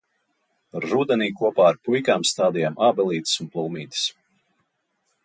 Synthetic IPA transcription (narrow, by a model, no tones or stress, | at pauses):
ɾud̪ɛniːkuɔpaːɾpujkaːmst̪aːd̪ijaːmʔaːbɛlˠiːt̪ɨ̥sunplˠulˠmiːt̪ɨ̥s